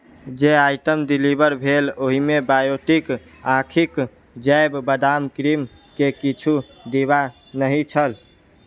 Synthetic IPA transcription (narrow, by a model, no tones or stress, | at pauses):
d͡ʒeajʈəmɖ̪ilibəɾbʱeloɦimebajoʈik | akʰik | d͡ʒəjbbəd̪amkɾim | kekit͡ʃʰu | d̪eba | nəɦit͡ʃʰəl